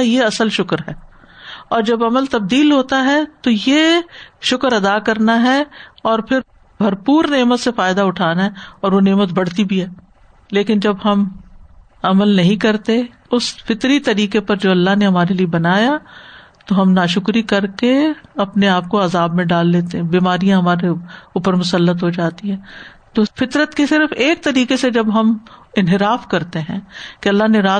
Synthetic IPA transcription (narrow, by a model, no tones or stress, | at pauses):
jeɐsəlʃʊkɾɦɛː | ɔːɾd͡ʒɐbɐməlt̪ɐb̚d̪iːlɦoːt̪aɦɛt̪ojeʃʊkɾɐd̪akɐɾnaɦɛɔːɾpʰɪɾ | bʱɐɾpuːɾneːmət̪sefaːɪd̪aʊʈʰaːnaɦɛɔːɾʋoneːmət̪bɐɽ̤t̪ibʱiɦɛː | leːkɪnd͡ʒɐbɦɐm | ɐməlnɐɦĩkɐɾt̪e | ʊsfɪt̪ɾit̪ɐɾiːkepɐɾd͡ʒoːɐlːaɦneɦɐmaːɾeliebɐnaːja | t̪oɦɐmnaːʃʊkɾikɐɾkeɐpneaːp̚koɐzaːbmẽɖaːlːeːt̪eɦɛ̃biːmaːɾijãɦɐmaːɾeuːpəɾmʊsəlːət̪ɦod͡ʒaːt̪iɦɛ̃ː | t̪oːfɪt̪ɾət̪kisɪɾfeːk̚t̪ɐɾiːkesed͡ʒɐbɦɐmɪnɦɪɾaːfkɐɾt̪eɦɛ̃ːkeɐlːaɦneɾaː